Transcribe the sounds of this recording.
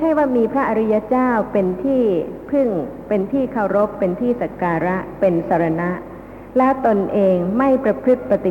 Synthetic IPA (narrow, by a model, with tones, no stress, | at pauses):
t͡ɕʰa˥˩jwaː˥˩miː˧pʰɾa˦˥ʔa˧ɾi˦˥ja˦˥t͡ɕaː˥˩wpe˧nt̪ʰiː˥˩pʰɯ˥˩ŋpe˧nt̪ʰiː˥˩kʰa˨˩wɾo˦˥pːe˧nt̪ʰiː˥˩sa˨˧˩kaː˧ɾa˦˥ʔpe˧nsʰa˧˩ɾa˧na˦˥ʔ | lɛː˦˥wt̪o˧nʔeː˧ŋma˥˩jpɾa˧kʰɾɯ˦˥˩t̪̚pa˧t̪i˨˩